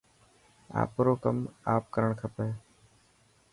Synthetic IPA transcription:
a̰ːpɾoːkəmaːp̚kəɾəɳkʰəpeː

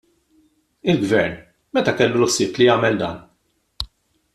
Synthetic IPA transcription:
ɪlɡvɛɾn | mɛt̪ɐkɛlːʊlsɪːp̪lijɐːmɛld̪ɐ̰ːn

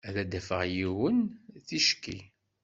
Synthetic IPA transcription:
æðæd̪æfə̰ʁjiwənθiʃkːḭ

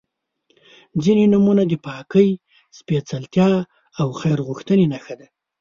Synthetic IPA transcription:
d͡zinenumunad̪əpɑkəj | spet͡salt̪jɑ | awxajɾɣuxt̪ənenaxad̪a

